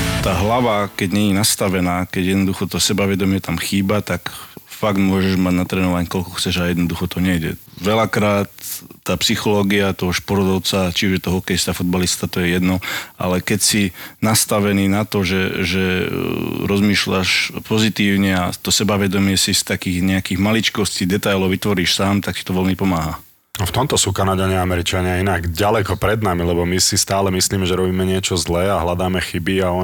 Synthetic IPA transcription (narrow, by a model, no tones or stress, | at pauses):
t̪aːɦlaʋakɛɟɲɛɲinast̪aʋɛnaːkɛɟjɛd̪nɔd̪uxɔt̪ɔsɛbaʋɛd̪ɔmɪɛt̪amxiːbat̪akfaɡd̪mʊɔʒɛʒmaɟnat̪ɾɛːnulajnkɔlkɔxt͡sɛʒajɛd̪nɔd̪uxɔt̪ɔɲɛjɟɛ̰ʋɛlakɾaːt̪ːaːpsixɔlɔːɡiat̪ɔɦɔʃpɔɾt̪ɔʊt͡sat͡ʃiuʒjɛt̪ɔɦɔkɛjst̪afud̪balist̪at̪ɔjɛjɛd̪nɔʔa̰lɛkɛcsinast̪aʋɛniːnat̪ɔʒɛʒɛ | ɾɔzmiːʃʎaʃpɔzit̪iːʊɲɛat̪ɔsɛbaʋɛd̪ɔmɪɛsist̪akiːɣɲɛakiːɣmalit͡ʃkɔsciːd̪ɛt̪ajlɔʊʋit̪ʋɔɾiːʃsaːmt̪akcit̪ɔʋɛlmipɔmaːɦa | ɔft̪ɔmt̪ɔsuːkanaɟaɲɪaamɛɾit͡ʃaɲɪainaɡɟalɛkɔpɾɛd̪namilɛbɔmisist̪aːlɛmisliːmɛʒɛɾɔbiːmɛɲɪɛt͡ʃɔzlɛːaɦlad̪aːmɛxibiaɔ